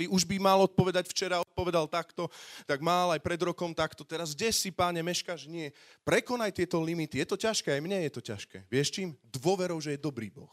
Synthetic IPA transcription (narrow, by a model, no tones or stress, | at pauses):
ʋiʔuʒbimalɔt̪̚pɔʋɛd̪acft͡ʃɛɾaɔt̪̚pɔʋɛd̪alt̪akt̪ɔt̪aɡmalajpɾɛd̪ɾɔkɔmt̪akt̪ɔt̪ɛɾazɟɛsːipaɲɛmɛʃkaːʒɲɪɛpɾɛkɔnajt̪ɪɛt̪ɔlimit̪ijɛt̪ɔcaʃkɛajmɲɛjɛt̪ɔca̰ʃkɛ̰ːʋɪɛʃt͡ʃiːmd̪ʋʊɔʋɛɾɔʊʒɛjɛd̪ɔbɾḭːbɔx